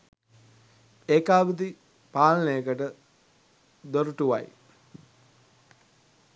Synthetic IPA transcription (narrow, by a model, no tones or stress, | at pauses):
eːkaːbid̪i | paːlnəjəkəʈə | d̪oɾuʈuʋa̰j